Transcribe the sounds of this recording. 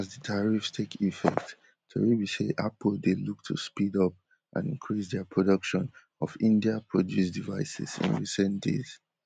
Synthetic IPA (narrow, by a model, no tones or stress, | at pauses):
azdətʰaɹifstʰekʰifɛ̰kt | tʰo̰ɹibiseʔapdeluk̚tʰṵspidɔp̚ | ʔã̰nḭ̃ŋkʰɹisdɛpʰɹɔdɔkʃɔ̃n | ɔfĩndiapʰɹɔdjusdivaɪsḭzḭ̃nɹisɛ̃ndḛz̥